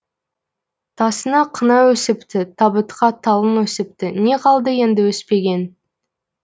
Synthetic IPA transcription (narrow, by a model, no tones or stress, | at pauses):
t̪ʰɑsənɑqʰənɑwɵsɪpt̪ɪt̪ʰɑbət̪qʰɑt̪ʰɑlˠənwɵsɪp̚t̪ɪne̞qʰɑlˠd̪əje̞nd̪ɪwɵspe̞ɡʲe̞n